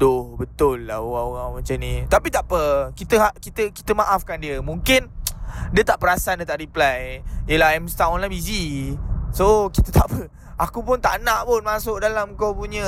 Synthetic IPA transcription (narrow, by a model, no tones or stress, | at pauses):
dʊhbət̪ʊlːahoɣaŋoɣaŋmat͡ʃamnit̪apit̪aʔpəkit̪əɦakit̪əki̥t̪əmaʔafkandiəmũŋkɪndiət̪aʔpəɾasandiət̪aʔɾiplajjəlaɛmst̪aɔnlabizi | sokit̪ət̪aʔpə | akupʊnt̪a̰ʔnãʔpʊnmasʊʔ̚dalamkowpuɲə